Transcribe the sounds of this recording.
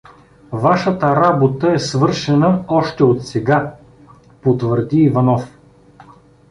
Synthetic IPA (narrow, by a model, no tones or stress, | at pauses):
vaʃət̪əɾabot̪əɛsvɤɾʃɛnəɔʃt̪ɛot̪sɛɡa | pot̪vəɾd̪iːvɐnɔf